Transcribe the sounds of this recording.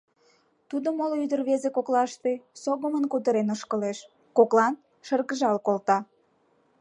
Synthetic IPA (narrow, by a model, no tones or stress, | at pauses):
t̪ud̪omolyd̪ərβezekoklɑʃt̪esoɣəmənkut̪̬əɾenəʃkəleʃ | koklɑn | ʃərɣəʒɑlkolt̪ɑ